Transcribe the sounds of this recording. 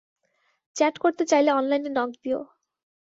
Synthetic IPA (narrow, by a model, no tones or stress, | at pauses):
t͡ɕɛʈkoɾt̪et͡ɕajleɔnlajninɔɡd̪io̰